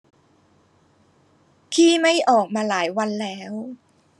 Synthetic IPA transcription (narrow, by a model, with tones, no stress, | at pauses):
kʰiː˥˩ma˥˩jʔɔː˨˩k̚maː˧laː˩˦jwa˧nlɛː˦˥w